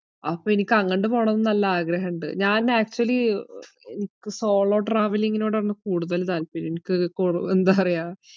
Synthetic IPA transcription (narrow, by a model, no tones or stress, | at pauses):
ɐ̰pːoːenikʲːɐŋːɐɳɖɨpo̞ːɳɐnːnɐlːɐaːɡɾɐɦɐɳɖɨ̰ɲaːnaːk̚t͡ɕuɐlːi | ḛnikʲːɨso̞ːɭo̞ːʈraːʋɐliŋːɡino̞ːɽɐnːɨkuːɽuðɐlt̪aːlpinenikʲːɨkor̰end̪aːpɐrɐjaː